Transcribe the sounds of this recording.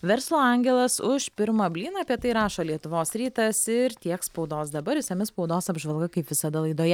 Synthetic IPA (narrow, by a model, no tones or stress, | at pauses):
ʋʲɛɾslˠoːɐŋʲɡʲɛlˠɐsʊʃpʲɪɾmɐbʲlʲiːnɐːpʲiɛt̪ɐɪɾɑːʃoːlʲiɛt̪ʊʋoːsɾʲiːt̪ɐsɪɾt̪ʲiɛkspɒʊd̪oːsd̪ɐbɐɾʲɪsʲɐmʲɪspɒʊd̪oːsɐbʒʋɐlˠɡɐkɐɪpʋʲɪsɐd̪ɐlˠɐɪd̪oːjɛ